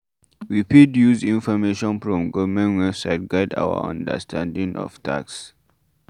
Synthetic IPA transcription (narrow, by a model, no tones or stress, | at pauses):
wipedjuzĩnfɔmeʃɔ̃nfɹɔ̃mɡɔvəmɛ̃ntwɛbsaɪt̚ɡaɪda̰wə̰ã̰ndə̰stʰãndĩŋʔɔ̰v̥tʰa̰ks